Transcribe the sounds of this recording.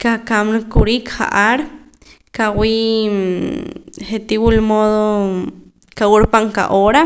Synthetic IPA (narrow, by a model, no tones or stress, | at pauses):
kakamnkuɾikχa̰ʔaɾ | kawi | χet̪iwulmoðo | kawuɾpaŋka̰ʔoɾa